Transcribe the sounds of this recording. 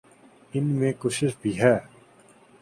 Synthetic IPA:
ɪnmẽkoːʃɪʃbʱiːɦɛː

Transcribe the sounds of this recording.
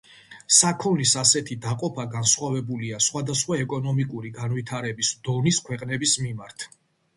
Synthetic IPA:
sakʰɔlisasɛt̪ʰid̪aqʼɔpʰaɡansχwavɛbuliasχwad̪asχwaɛkʼɔnɔmikʼuɾiɡanvit̪ʰaɾɛbisd̪̥ɔniskʰwɛqʼnɛbismimaɾt̪ʰ

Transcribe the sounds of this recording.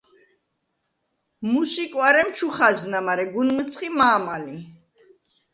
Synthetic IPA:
musikʼwaɾɛmt͡ʃʰuχaznamaɾɛɡunmt̪sʰχimaːmali

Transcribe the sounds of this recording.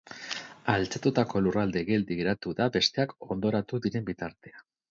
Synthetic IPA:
alt͡sat̪ut̪ako̞lurald̪eɣe̞ld̪iɣɾat̪uðabe̞st̪e̞ako̞nd̪o̞ɾat̪uðiɾe̞mbit̪aɾt̪e̞a

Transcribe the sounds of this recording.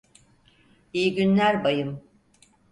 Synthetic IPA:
ijiɟynlʲæɾbajɯm

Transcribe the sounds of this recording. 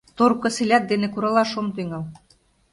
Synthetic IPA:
t̪oɾkɤ̆selʲæt̪̚d̪enĕkuɾɑlɑʃomt̪yŋæl

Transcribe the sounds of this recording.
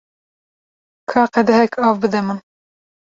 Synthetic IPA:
kʰɑːqɛd̪ɛɦɛkʰɑːvbɨd̪ɛmɨn

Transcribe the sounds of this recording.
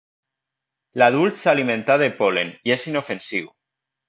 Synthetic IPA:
laðulˠt̪salimẽnt̪aðepoleniesinofensiw

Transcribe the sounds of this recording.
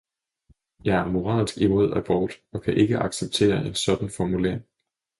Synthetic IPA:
jɑ̈ɪæɐmo̝ʁɑ̰̈ːlsɡ̥imo̝ð̞̰ˠæb̥ɒːd̥ɒ̽kʰæʔe̝ɡ̥əʔɑ̈ɡ̥seb̥̚t͡sʰe̝̰ːɐʔe̝nsɒ̽d̥n̩fɒmule̝̰ɐɪŋ

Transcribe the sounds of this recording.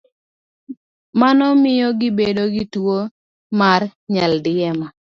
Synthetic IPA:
manɔmɪjɔɡɪbedoɡitwo | marɲaldɪɛma

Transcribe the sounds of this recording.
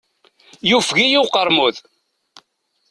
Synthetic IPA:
jufɣijuqəɾˤmuð

